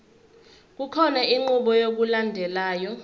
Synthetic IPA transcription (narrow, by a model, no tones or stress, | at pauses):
k̬ukʰɔnaiŋ͡ǃuɓɔjok̬ulandʱɛlaːjɔ